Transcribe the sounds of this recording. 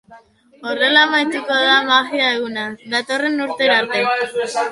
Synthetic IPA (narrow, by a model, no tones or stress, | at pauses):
o̞re̞lamajt̪uko̞ðamaɣiae̞ɣ̞unaðat̪o̞re̞nuɾt̪e̞ɾaɾt̪e̞